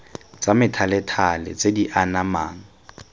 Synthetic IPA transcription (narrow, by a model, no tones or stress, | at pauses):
t͡samɪtʰalɛtʰalɪ̰t͡sʼediʔanamaːŋ̩